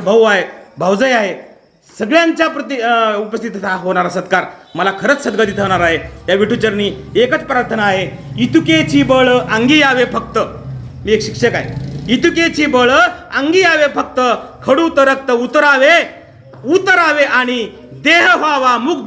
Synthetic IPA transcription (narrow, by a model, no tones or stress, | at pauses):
bʱəʋaɦebʱəwd͡zəjaɦe | səɡɭjãɲt͡ɕjapɾət̪iupəst̪ʰit̪ːaɦoɳ̃aɾasəd̪kaɾməlakʰəɾət͡ssəd̪̚ɡad̪it̪ʰəʋɳ̃aɾaɦet̪jaʋiʈʰut͡ɕəɾniːekət͡spɾaɾt̪ʰənaːɦeit̪uket͡ɕiːbəɭʔaŋɡiaʋefək̚t̪ə | miːekɕikʂəkaɦeit̪uket͡ɕiːbəɭəəŋɡiaʋefək̚t̪əkʰəɽut̪əɾək̚t̪əut̪əɾaʋe | ut̪ːəɾaʋeaɽ̃i | d̪eɦɦaʋamuːk̚